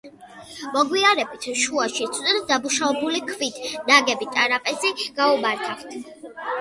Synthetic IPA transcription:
mɔɡwiaɾɛbit̪ʰʃuaʃit̪sʰd̪ɛd̪d̪amuʃavɛbulikʰvit̪ʰnaɡɛbit̪ʼaɾapʼɛziɡ̥aumaɾt̪ʰaχt̪ʰ

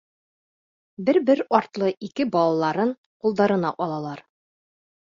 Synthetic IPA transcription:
bɘɾbɘɾɒɾt̪lˠɤʔikɘbɒlˠɑlˠɑɾɤn | qulˠd̪ɑɾɤ̆nɑʔɒlˠɑlˠɑɾ

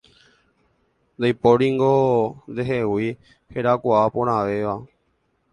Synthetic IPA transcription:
nd̪ajpoɾiŋɡond̪eɦewi | heɾakʷaapõɾ̃ãʋeʋa

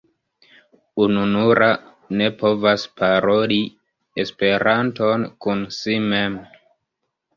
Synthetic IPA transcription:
ununuɾa | ne̞po̞vaspaɾo̞li | espe̞ɾanto̞nkunsime̞m

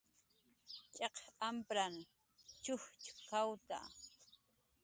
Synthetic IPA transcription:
t͡ʃʼeqampɾaŋ | t͡ʃʊht͡ʃkawt̪a̰

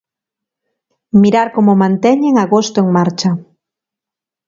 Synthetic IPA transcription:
miɾaɾkomomãnt̪ɛɲeŋaɣost̪oeŋmaɾt͡ʃa

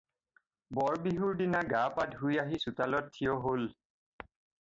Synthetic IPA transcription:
bɔɹbiɦuɹdinaɡapadɦujaɦisutalɔtʰːijɔɦol

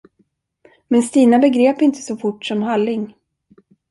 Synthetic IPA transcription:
mɛnst̪iːnabɛɡɾeːpɪnt̪ə̥sɔfʊʈːʂɔmɦalːɪŋ

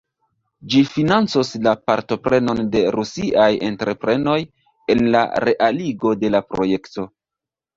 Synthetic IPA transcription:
d͡ʒifinant͡soslapaɾto̞pɾe̞no̞nde̞ɾusiʔaje̞̰ntɾe̞pɾe̞no̞j | e̞nla̰ɾe̞ʔaliɡo̞de̞lapɾo̞̰je̞kto̞

